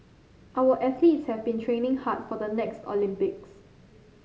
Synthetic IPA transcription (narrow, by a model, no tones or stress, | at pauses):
ʔawəʔɛt̪litshɛvbĩntʰɹẽnɪ̃ŋhat̚fɔdənɛkstɔ̰lĩmpɪk̚s